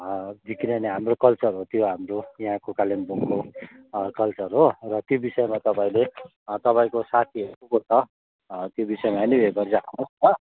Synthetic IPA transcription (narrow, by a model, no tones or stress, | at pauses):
d̪ʱikinʌneɦamrokʌlt͡sʌrɦot̪joɦamrojjɦãkokalimboŋko | kʌlt͡sʌrɦorʌt̪jobisʌjmat̪ʌpaĩle | t̪ʌpaĩkosat̪ʰiɦekukot͡sʰʌ | t̪jobisʌemaʌnibʱekʌrd͡zakʰanosnʌ